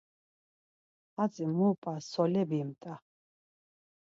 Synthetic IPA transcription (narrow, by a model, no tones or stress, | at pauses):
azimuːpʼasɔlɛbimt̪ʼa